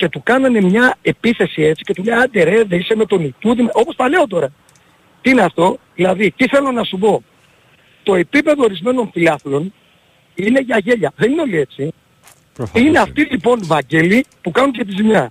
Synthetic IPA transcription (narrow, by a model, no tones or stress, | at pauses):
ce̞t̪ukɐnɐne̞mɲɐe̞piθe̞sie̞t͡si̥ce̞t̪uʎɐɐd̪e̞ɾeðeiseme̞t̪o̞nit̪uðimɐʔo̞po̞sθɐle̞o̞t̪̬o̞ɾɐ | t̪iineɐft̪o̞ðilɐðit̪iθe̞lo̞nɐsupo̞ | t̪o̞e̞pipe̞ðo̞ːɾizme̞no̞nfilɐθilo̞n | ine̞ʝɐʝe̞ʎɐðe̞nino̞lie̞t͡si | ineɐft̪ilipo̞nvɐɲɟelipukɐnunce̞t̪izimɲɐ